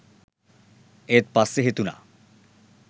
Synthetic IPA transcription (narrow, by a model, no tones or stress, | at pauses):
et̪̚paseɦet̪una̰